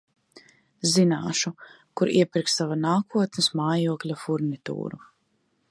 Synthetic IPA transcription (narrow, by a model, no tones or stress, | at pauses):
zinaːʃu | kuɾḭɛpʲiɾkssavanaːkʰuɔt̪nɨsmaːjuɔklʲafuɾnit̪ṵːɾu